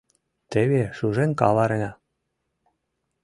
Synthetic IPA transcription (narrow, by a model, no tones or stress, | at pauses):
t̪eβeʃuʒenʲkɑlɑɾenʲɑ